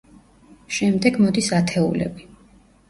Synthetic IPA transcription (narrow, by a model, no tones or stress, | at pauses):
ʃɛmd̪ɛɡmɔd̪isat̪ʰɛṵlɛ̰bi